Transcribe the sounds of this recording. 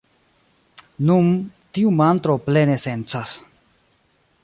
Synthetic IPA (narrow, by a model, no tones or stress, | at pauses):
nunt̪iumant̪ɾoplenese̞nt͡sas